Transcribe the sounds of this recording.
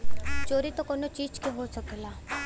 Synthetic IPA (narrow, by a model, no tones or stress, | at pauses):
t͡ʃoːɾit̪okonot͡ʃiːd͡ʒkõɦosəkelaː